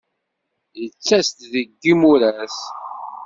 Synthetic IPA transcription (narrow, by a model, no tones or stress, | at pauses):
jət͡sːæst̪ðəɡːimuɾæs